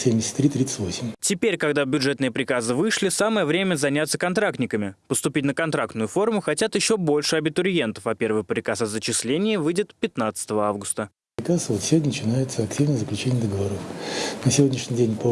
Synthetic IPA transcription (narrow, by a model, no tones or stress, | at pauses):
sʲemʲdʲɪsʲɪ̥t̪ʲːɾʲit̪ɾʲit̪sə̥tʲvo̞sʲɪmʲtʲɪpʲeɾʲkɐɡd̪abʲʊdʐɛt̪nɨjəpɾʲɪkazɨvɨʂlʲɪsaməjəvɾʲemʲəzɐnʲat̪səkɐnt̪ɾak̚t̪nʲɪkəmʲɪpəst̪ʊpʲit̚ʲnəkɐnt̪ɾak̚t̪nʊjʊfo̞rmʊxɐtʲat̪jɪɕːobo̞lʲʂɨɐbʲɪt̪ʊɾʲje̞nt̪əfɐpʲe̞rvɨxpɾʲɪkasɐzət͡ɕɪslʲenʲɪjəvɨjdʲɪt̪pʲɪt̪nat̪sə̥t̪əvəavɡʊst̪ə | pɾʲɪkasvot̪sʲɪvʲodʲnənət͡ɕɪnajɪt̪səɐk̚tʲivnəjzəklʲʉt͡ɕenʲɪjəd̪əɡəvɐɾofnəsʲɪvodʲnʲɪʂnʲɪdʲenʲpə